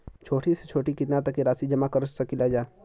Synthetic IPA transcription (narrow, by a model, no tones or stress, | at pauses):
t͡ʃʰoːʈʰiset͡ʃʰoːʈikɪt̪nat̪ɐkːiɾaːsid͡ʒɐmakɐɾsɐkɪlad͡ʒaː